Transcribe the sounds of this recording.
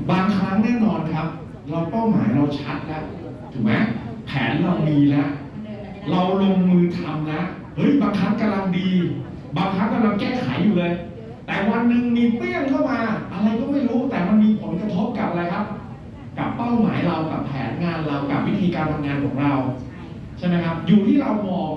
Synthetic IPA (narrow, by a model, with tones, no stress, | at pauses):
baː˧ŋkʰaː˦˥ŋnɛː˥˩nɔː˧nkʰa˦˥p̚ | ɾa˧wpa˥˩wma̰ː˩˦jɾa˧wt͡ɕʰa˦˥t̪̚lɛ˦˥w | t̪ʰuː˩˦ma˦˥pʰɛ̰ː˩˦nɾa˧wdiː˧na˦˥ʔ | ɾa˧wlo˧ŋmɯː˧t̪ʰa˧mna˦˥ʔ | hɤ˦˥jbaː˧ŋkʰa˦˥p̚ka˧la˧ŋdiː˧ | baː˧ŋkʰɾa˦˥ka˧la˧ŋkɛː˥˩kʰa̰˩˦jːuː˨˩lɤː˧j | t̪ɛː˨˩wa˧nːɯ˨˩ŋmiː˧plɯ˥˩əŋkʰa˥˩wmaː˧ʔa˧ɾa˧jt̪ɔ˥˩ŋma˥˩jɾuː˦˥t̪ɛː˨˩ma˧nmiː˧pʰo˩˦nkɾa˧t̪ʰo˦˥p̚ka˨˩p̚a˧ɾa˧jkʰa˦˥p̚ | ka˨˩pːa˥˩wma̰ː˩˦jɾa˧wka˨˩pʰɛ̰ː˩˦nŋaː˧nɾa˧wka˨˩p̚wi˦˥t̪ʰiː˧kaː˧nt̪ʰa˧mŋaː˧nkʰɔ̰ː˩˦ŋɾa˧w | t͡ɕʰa˥˩jma˦˥jkʰa˦˥p̚juː˨˩t̪ʰiː˥˩ɾa˧wmɔː˧ŋ